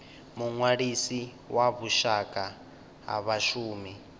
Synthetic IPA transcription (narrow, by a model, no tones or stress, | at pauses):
muŋwaɺisi | waβuʃakʼa | ɦa̰βaʃuːmi